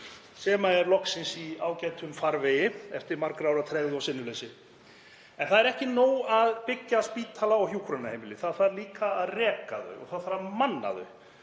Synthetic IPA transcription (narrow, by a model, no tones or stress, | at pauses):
sɛːmaɛɾlɔhksɪnsiaːwcajt̪ʰʏmfaɾvɪjɪɛft̪ɪɾmaɾkɾaːwɾat̪ʰɾɛvðawsɪnːʏlejsɪ | ɛnθaðɛɾɛhcɪnoːwaðpɪcːaspiːt̪ʰalaɔɣhjuːkʰɾʏnahejmɪlɪθaðfaɾliːkaːðrɛːka̰ðʏ̰ɔ̰ɣθaðθaɾamanːa̰ðʏ̰